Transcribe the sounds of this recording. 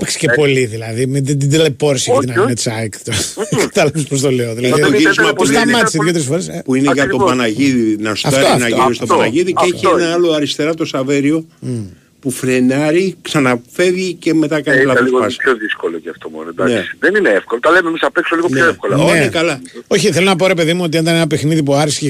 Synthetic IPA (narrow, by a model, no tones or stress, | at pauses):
pekse̥cepo̞liðilɐðimed̪id̪ilepoɾsikɐt̪inɐet̪sɐkt̪okɐ̥t̪ɐlɐvispɾos̬t̪oleoðilɐiðoʝiizmɐpuɐmɐt̪isiððjot̪eɾesfoɾespuineʝɐt̪o̞pɐnɐʝiðinɐstɐftɐinɐiost̪opɐnɐʝiðiceeçienɐɐlo̞ɐɾist̪e̞ɾɐt̪o̞sɐve̞ɾio̞ | pufɾe̞nɐɾiksɐnɐfe̞vʝice̞me̞t̪ɐkɐnilɐposɣopɐsoðiskoloceɐft̪omo̰noed̪ɐnkesi̥ðenineefkolot̪ɐlememisɐpeksoliɣopçoefkolɐonekɐlɐoçiθelonɐpoɾepe̞ðimuot̪ied̪ɐnenɐpexniðipuɐɾisçe